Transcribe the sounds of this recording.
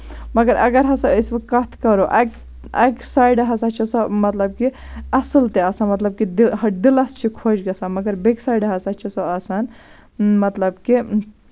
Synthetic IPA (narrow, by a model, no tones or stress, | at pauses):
mɐɡɐɾʔɐ̰ɡɐɾɦɐsɐəsʋɐkɐt̪ʰkɐɾoʔɐk | ɐ̰ksaːjɖɐɦɐsat͡ʃʰisɐmɐt̪lɐb̚kiɐsɨlt̪eaːsaːnmɐt̪lɐb̚kid̪ɦɐd̪ilɐst͡ʃʰikʰod͡ʒɡɐsaːnmɐɡɐɾbeksaːjɖɐɦɐsat͡ʃʰisɐaːsaːn | mɐt̪lɐbki